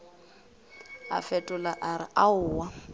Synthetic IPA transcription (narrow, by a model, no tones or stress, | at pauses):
a̰fɛtʼʊlaʔaɾɪ̰ʔaʊːwa